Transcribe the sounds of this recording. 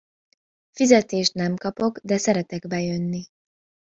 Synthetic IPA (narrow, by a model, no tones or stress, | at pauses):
fizɛt̪eːʃt̪nɛmkɒpo̞ɡd̪ɛsɛɾɛt̪ɛɡbɛjønːi